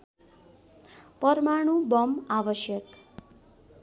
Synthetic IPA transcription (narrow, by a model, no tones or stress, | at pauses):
pʌɾmaɽ̃ũbʌmaʋəʃjək